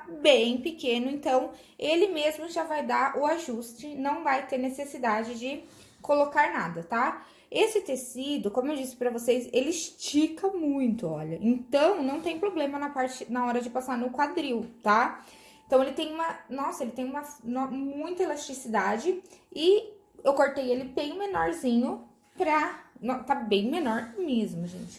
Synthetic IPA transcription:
bẽj̃pɪkẽnʊẽnt̪ɐ̃w̃ | elɪmezmʊʒavajd̪aʔʊaʒust͡ʃɪnɐ̃w̃vajt̪eɾnesesid̪ad͡ʒɪd͡ʒɪ | kolokaɾnad̪ɐt̪a | esɪt̪esid̪ʊkõmʊewd͡ʒisɪ̥pɾɐvosejselɪst͡ʃikɐmũj̃t̪ʊɔ̰ʎɐʔẽnt̪ɐ̃w̃nɐ̃w̃t̪ẽj̃pɾoblẽmɐnɐpaɾt͡ʃɪnɐɔɾɐd͡ʒɪpasaɾnʊkwad̪ɾiwt̪a | ẽt̪ɐ̃w̃elɪt̪ẽj̃ũmɐnɔsɐelɪt̪ẽj̃ũmɐnɐmũj̃t̪ɐelast̪ɾisid̪ad͡ʒɪɪ | ewkoɾt̪ejelɪbẽj̃menɔɾzĩɲʊ | pɾɐnɔt̪abẽj̃menɔɾmezmʊʒḛ̃t͡ʃɪ̥

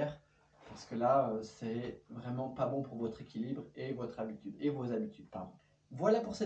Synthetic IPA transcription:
ɛʁ | paʁsə̥kəlaøsɛvʁɛmɑ̃pabɔ̃puʁvɔt̪χekʲilibʁevɔt̪χabit̪yd̪evozabit̪ʰyd̪paʁd̪ɔ̃ | vwalapuʁsɛ

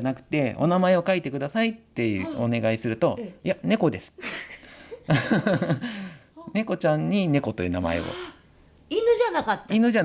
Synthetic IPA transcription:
nakɯ̟̥t̪e̞o̞̰namae̞o̞kait̪e̞kɯ̟d̪asait̪ːe̞jɯ̰o̞ne̞ɡaisɨɾɯ̟t̪o̞jane̞ko̞d̪e̞sɨ̥ | ne̞ko̞t͡ɕãɲ̟ːine̞ko̞t̪o̞jɯ̟ːna̰ma̰e̞̰o̰ | inɯ̟ʑanakat̪ːinɯ̟ʑa

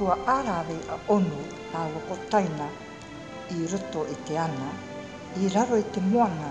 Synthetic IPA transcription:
uaʔaːɾaːβejʔaʔonu | aːwɾokotajna | iɾo̞to̞ʔite̞ana | iɾaɾo̞ite̞moaŋa

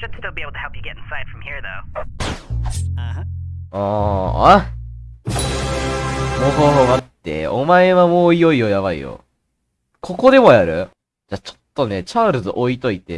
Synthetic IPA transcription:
d͡ʒɨnstɪlˠbieɪbl̩ˠtə̥ɛlˠpjɨɡɛɾɪ̃nsaɪd̥fɹʌ̃mhiɹðoʊ | a | õːa | moːɦoːɦoːβat̪ːe̞̰omaeβamoːijo̞ijo̞jaβaḭjo̞̰ | kʰo̞ko̞d̪e̞mo̞jaɾɯ̟ | d͡ʑat͡ɕo̥t̪ːo̞ne̞t͡ɕaɾɯzɨʔo̞it̪o̞it̪e̞̰

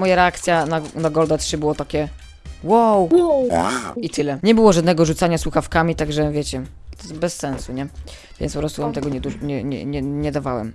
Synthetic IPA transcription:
mɔjaɾɛakt̪sʲjananaɡɔld̪ɛtʂɘbɘwɔt̪akʲɛ | wow | it̪ɘlɛɲɛbɘwɔʐad̪nɛɡɔʐut̪saɲaswuxafkamʲit̪aɡʐɛvʲjɛt͡ɕɛ | t̪bɛsːɛnsuɲɛ | vʲj̰ɛnpɔpɾɔst̪uvamt̪ɛɡɔɲɛd̪uɲɛɲɛ̰ɲɛɲɛd̪avawɛ̰m

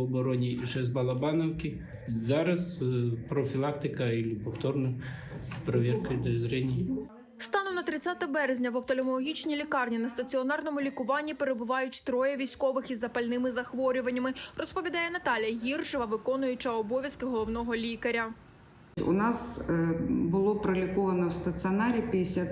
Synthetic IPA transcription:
ɔbɔɾɔnʲiʒɛzbɐlˠɐbɑnɔwkʲɪ | zɑɾɐspɾɔfʲilˠɑk̚t̪ɪkɐilʲipɔft̪ɔrnʊ | pɾɔʋʲɛrkɔjd̪ɔzɾɛnʲij | st̪ɑnɔmnɐt̪ɾɪt͡sʲat̪ɛbɛɾezʲnʲɐʋɐwt̪ɔlʲemɔlˠɔɦʲit͡ʃnʲilʲikɑrnʲinɐst̪ɐt͡sʲiɔnɑrnɔmʊlʲikʊʋɑnʲːipeɾebʊʋɑjʊtʲt̪ɾɔjɛʋʲijsʲkɔʋɪxizːɐpɐlʲnɪmɪzɐxʋɔɾʲʊʋɐnʲːɐmɪrɔspɔʋʲid̪ɑjɛnɐt̪ɑlʲjɐɦʲirʒɔʋɐʋɪkɔnʊjʊt͡ʃɐɔbɔʋʲjɐskɪɦɔlˠɔwnɔɦɔlʲikɐɾʲɐ | ʊ̰nɑs | bʊlˠɔpɾɐlʲikɔʋɐnɔwst̪ɐt͡s̪ʲɨɔnɑɾʲipʲid̪ɪsʲa

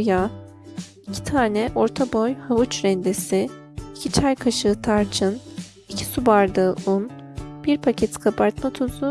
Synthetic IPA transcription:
ja | icʰi̥t̪ʰaːnɛʔo̞ɾt̪ʰabojhavut͡ʃɾɛnd̪esi | icʰit͡ʃʰajkʰaʃɯt̪ʰaɾt͡ʃʰɯn | icʰi̥subaɾd̪ɯːʔunb̥iɾpʰacʰet̪ʰi̥kʰapʰaɾt̪mat̪ʰozu

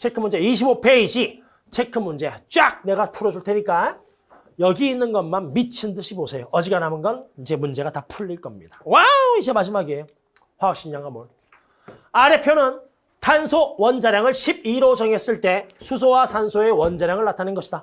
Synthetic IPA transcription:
t͡ɕʰe̞kʰɯmːund͡ʑe̞iɕ̬ʰibope̞iɕʰi | t͡ɕʰe̞kʰɯmːund͡ʑe̞t͡ɕ͈ak̚ne̞ɡapʰuɾʌd͡ʑuɭtʰeɲik͈a | jʌɡiːnːɯnɡʌnmanmit͡ɕʰindɯɕʰibosʰe̞joʌd͡ʑiɡanamɯnɡʌnid͡ʑe̞mund͡ʑe̞ɡatapʰuʎːiɭk͈ʌmɲidḁwawid͡ʑemad͡ʑimaɡiejo | ɸwaʌɕ͈iɲːaŋɡamwon | aɾe̞pʰjonɯn | tʰansʰowʌnd͡ʑaɾjaŋɯɭɕʰib̚iɾod͡ʑʌŋe̞s͈ɯɭt͈e̞sʰus̬ʰowasʰansʰoe̞wʌnd͡ʑaɾjaŋɯɭːatʰanɯnɡʌɕʰid̥a

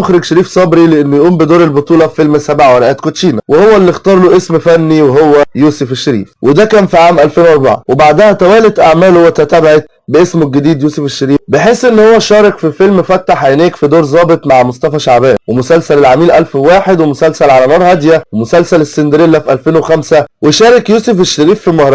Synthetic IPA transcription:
oxɾeɡʃeɾiːfsˤɑbɾileʔenːʊjʔuːmbed̪oːɾelbot̪ˤuːlɑffelmsæbʕaweɾæʔæːt̪kot̪ʃiːnæwehowːælːixt̪ɑːɾˤloːʔesmfænːiweɦowːæjuːsefeʃːeɾḭːfwed̪ækæːnfiʕaːmʔælfeːnwɑɾˤba̰ʕa̰webaʕd̪æhæt̪æwæːlet̪ʔaʕmæːlhowːæt̪æt̪æbʕet̪ | beʔesmoɡed̪iːd̪juːsefeʃːeɾiːbeħeːsʔenːhowːæʃɑːɾˤɑkfifelmfæt̪ːaħajneːkfid̪oːɾzˤɑːbet̪ˤmaʕmost̪ˤɑfæʃaʕbæːd̪wemʊsælsælelʕamiːlʔælfwaːħed̪wemʊsælsælʕalænɑːɾˤhæd̪jæwemʊsælsælesːend̪ɾelːæfʔælfeːnwexæmsæweʃæːɾɑkjuːsefeʃːeɾiːfːimɑhɾˤɑ

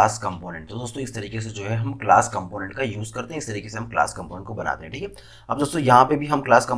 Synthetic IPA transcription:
aːskɐ̃mpoːnɛ̃ɳʈ̚t̪od̪oːst̪õɪst̪ɐɾiːkes̬ed͡ʒoːɦɛɦɐmklaːskɐ̃mpoːnɛ̃ɳʈkajuːzkɐɾt̪ẽɦɛ̃ɪst̪ɐɾiːkeseɦɐmkla̰ːskɐ̃mpoːnɛ̃ɳʈkobɐna̰ːt̪ẽɦɛ̃ʈʰiːkʰɛː | ɐb̚d̪oːst̪õjɐɦãpebʱiɦɐmklaːskɐ̃

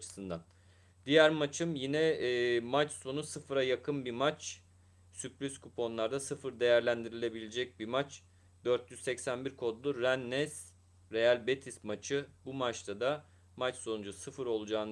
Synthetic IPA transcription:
t͡ʃʰɯ̥sɯnd̪an | d̪̥ijæɾmat͡ʃʰɯmjinɛːmat͡ʃso̞nusɯfɯɾajakʰɯnbimat͡ʃ | syplʲizkupʰo̞nlˠaɾd̪asɯfɯɾd̪e̞jæɾlʲænd̪iɾilʲe̞bilʲed͡ʒɛc̚bimat͡ʃ | d̪øɾt̪ʰjyzsɛcsænbiɾkʰo̞d̪lˠuɾænːɛz̥ | ɾe̞jælʲbet̪ʰismat͡ʃʰɯbumat͡ʃt̪ʰad̪a | mat͡ʃso̞nud͡ʒusɯfɯɾo̞lˠud͡ʒaːn

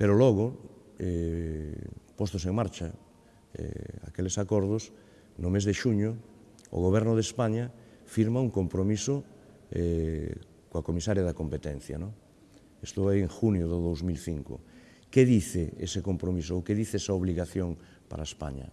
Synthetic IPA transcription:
peɾoloɣ̞o | ɛ | post̪os̬eŋmaɾt͡ʃa | ɛ̰a̰kelesakoɾð̞os | nʊmezðeʃuɲʊ̰ː | ɣoβ̞ɛɾnoð̞espaɲafiɾmauŋkompɾomiso | ɛ | koakomisaɾjaðakompet̪ẽn̟θja̰nõŋ | est̪uβaiẽŋxunjoðoðowzmilθiŋko̰ | keðiθeḛsekompɾomis̬oːkeðiθeesaoβliɣaθjoŋ | pa̰ɾaespa̰ɲa̰

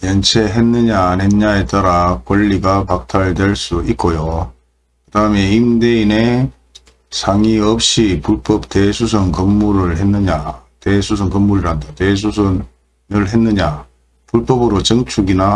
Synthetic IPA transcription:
jʌnt͡ɕʰe̞ɦenːɯɲanenɲae̞t͈aɾakwʌʎːiɡapak̚tʰaɭdweɭs͈uit̚k͈ojo | kɯdaɯme̞imdeine̞ | sʰaŋiʌp̚ɕ͈ipuɭp͈ʌp̚tesʰus̬ʰɯnkɯmːuɾɯɭhenːɯɲatesʰus̬ʰɯnkɯmːuɾiɾɦandatwes̬ʰusʰɯn | nɯɭɦe̞nːɯɲa | puɭp͈ʌbɯɾot͡ɕʌŋt͡ɕʰuɡina

